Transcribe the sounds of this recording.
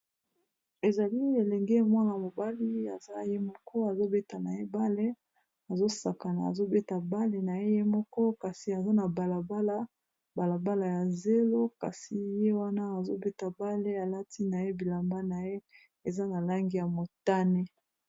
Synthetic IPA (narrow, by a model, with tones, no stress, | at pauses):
e˨za˨li˦e˨lɛ˨ŋɡe˦mwa˦na˨mo˨ba˦li˦a̰˨za˦je˦mɔ˦kɔ˦a˨zo˦be˦ta˨na˨je˦ba˦le˦ | a˨zo˦sa˨ka˨na˨a̰˨zo˦be˦ta˨ba˦le˨na˨je˦je˦mɔ˦kɔ˦ka˨si˨a˨za˦na˨ba˨la˨ba˦la˦ | ba˨la˨ba˦la˨ja˨ze˦lo˦ka̰˨si˨je˦wa˦na˦a˨zo˦be˦ta˨ba˦le˦a˨la˦ti˦na˨je˦bi˨la˨mba˦na˨je˦ | e˨za˦na˨la˦ŋɡi˦ja˨mo˨ta˦ne˦